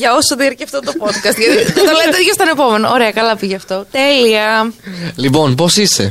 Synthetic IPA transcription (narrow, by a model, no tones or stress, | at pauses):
ʝɐo̞soðiɐɾceɐft̪ot̪opo̞t̪kɐst̪ʝɐt̪it̪ot̪ɐlet̪t̪ʝɐst̪ɐnepo̞me̞nooɾe̞ɐkɐlɐpiʝɐft̪o̞t̪e̞liɐ | lipo̞npo̞sise